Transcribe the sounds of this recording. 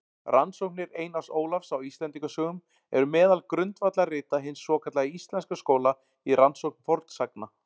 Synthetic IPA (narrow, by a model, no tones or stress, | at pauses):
ransowknɪɾeːjnasoːwlafsawist̪lɛnt̪iŋkʏsœːɣʏm | ɛ̰ɾʏmɛːðalkɾʏnt̪vat̪larɪːt̪aɦɪnsːɔːkʰat̪laɣist̪lɛnskaskoːwla | iransowknfɔɾt̪sak̚na